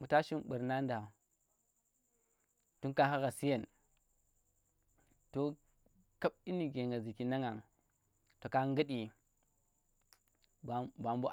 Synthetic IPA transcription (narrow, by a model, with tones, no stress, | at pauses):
mu˨ta˦ʃi˦mɓu˨ɾna˦nda˨ | tu˦nka˦ɦa˦ɣa˨si˦je˨n | to˨ | ka˦ɓi˦ni˨ɡe˨ŋɡa˨zi˨ki˨na˦ŋa˨ | to˨ka˦ŋɡə˦ɗi˨ | bba˨mbu˦